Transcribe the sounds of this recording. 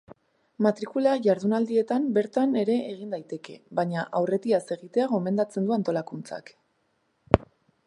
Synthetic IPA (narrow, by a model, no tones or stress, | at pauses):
mat̪ɾikulaʝaɾðunald̪ie̞t̪ambe̞ɾt̪ane̞ɾe̞ːɣ̞ind̪ajt̪e̞ke̞̰βaɲaʔawre̞t̪iase̞ɣit̪e̞aɣ̞o̞me̞nd̪at͡se̞nd̪uant̪o̞lakunt͡sa̰k